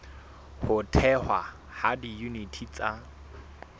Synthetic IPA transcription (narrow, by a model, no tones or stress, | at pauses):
hʊtʰɛhwa | hadijunitʰit͡sʼa